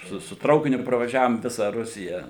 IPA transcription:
ˈsʊ sʊ ˈtrɐʊkʲɪnʲʊ prɐʋɐˈʒʲæːʋoːm ˈʋʲɪsɐ ˈrʊsʲɪjɛ

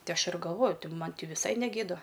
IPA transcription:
ˈtʲɪ ˈɐʃ ɪr ɡɐlˠˈʋoːjʊ ˈtʲɪ ˈmɐnʲ ˈtʲɪ ʋʲɪˈsɐɪ nʲɛˈɡʲeːdɐ

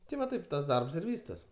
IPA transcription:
tʲɪ ʋɐ ˈtɐɪp tɐs ˈdɐrps ɪr ˈʋʲiːstɐs

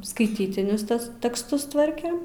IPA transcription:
skɐɪˈtʲiːtʲɪnʲʊs ˈtʲɛs tʲɛksˈtʊs ˈtʋɐrʲkʲeːm

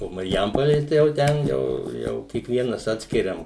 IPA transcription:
oː mɐrʲˈjɛmpoːlʲeː tɐɪ jɛʊ ˈtʲɛn ˈjɛʊ ˈjɛʊ kʲiɛkˈʋʲiɛnɐs ˈɑːtʲsʲkʲɪrʲɛm

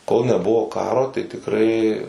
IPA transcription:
koːlˠ nʲɛˈbʊʋoː ˈkɑːroː tɐɪ tʲɪkˈrɐɪ

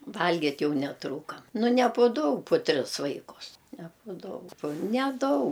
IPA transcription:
ˈʋɐlʲɡʲɪtʲ ˈjɛʊ nʲɛˈtruːkɐm ˈnʊ nʲɛ pʊ ˈdɐʊk pʊ ˈtʲrʲɪs ˈʋɐɪkʊs nʲɛ pʊ ˈdɐʊ pʊ nʲɛˈdɐʊk

